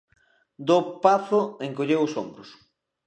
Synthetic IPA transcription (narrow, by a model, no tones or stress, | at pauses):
d̪opaθʊẽŋkoʎewʊsombɾʊs